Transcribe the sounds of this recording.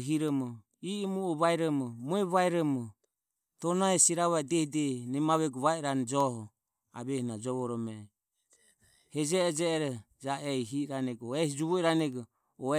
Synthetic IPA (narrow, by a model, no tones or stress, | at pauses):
ɦiɾɔmɔ | imuɔβaiɾɔmɔmɔɛβaiɾɔmɔ | t̪ɔnaɛsiɾaβaɛdɛhid̪ɛnɛmaβɛɡuβaɛɾanɛd͡ʒɔɦɔ | a̰βɛhinad͡ʒɔβɔɾɔmɛ | hɛd͡ʒɛːd͡ʒɛːɾɔ | d͡ʒaɛiɦiɾanɛɡɔɛhid͡ʒuβɔiɾanɛɡɔ | ɔɛ